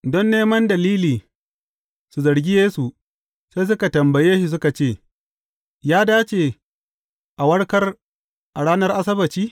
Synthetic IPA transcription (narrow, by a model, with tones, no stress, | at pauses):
dɔ˦nːeː˦mɐ˦ndɐ˨liː˦liː˨ | su˨zɐ˨ɾɡʲi˦jeː˦su˨ | seː˦s̬ʊ˦ka˨tɐ˨mbɐ˨jeː˦ʃi˨s̬ʊ˦ka˨t͡ʃeː˦˨ | jaː˦daː˦t͡ʃe˨ | ʔa˨wɐ˦ɽkɐ˦r | ʔa˨ɽaː˦nɐ˦rʔa˦sɐ˦bɐ˨t͡ʃiː˦